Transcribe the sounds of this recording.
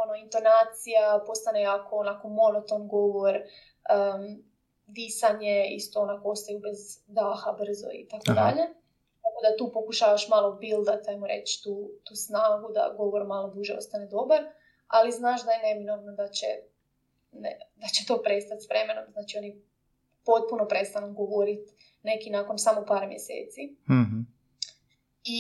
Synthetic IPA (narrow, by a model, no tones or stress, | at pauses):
onoint̪o̞naːt̪sijapo̞st̪anejaːkʰo̞onako̞mo̞not̪onɡo̞ʋo̞ɾ | ə | d̪isaɲeḭst̪oonakoost̪ajubezd̪aːxabr̩zo̰ḭt̪akod̪a̰ʎe | t̪ako̞d̪at̪uːpokuʃaːʋaʃmaːlˠobilˠd̪at̪ajmoɾḛt͡ɕt̪uːt̪uːsnaːɡud̪a̰ɡo̞ʋoɾmaːlˠob̪uʒɛo̞̰st̪aned̪o̞baɾ | aliznaːʃd̪ajeneminoʋnod̪at͡ɕe | ned̪at͡ɕet̪o̞ːpɾe̞st̪at̪ʲsʋɾemenomznaːt͡ʃio̞ni | po̞t̪̚puno̞pɾest̪anuɡoʋoɾit̪ | ne̞kinako̞nsamopaːɾmjesḛːt̪si | i